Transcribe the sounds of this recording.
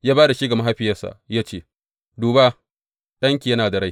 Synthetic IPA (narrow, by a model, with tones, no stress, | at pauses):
jaː˦baː˦da˨ʃi˦ɡa˨ma˦ɦa˦ɸɪ˨jɐ˦sa̰˨jaː˦t͡ʃeː˦˨ | duː˨ba˦ | ɗɐ˦ŋkʲiː˨jɐ˦naː˨da˨ɽa˦j